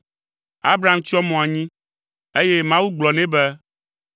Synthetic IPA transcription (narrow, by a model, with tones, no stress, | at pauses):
a˦bɾa˨˦mt͡ʃɔ˦mɔ̃˨a˨ɲĩ˦ | e˦je˦mã˦wu˦ɡ͡blɔ˨nɛ̃˦bɛ˦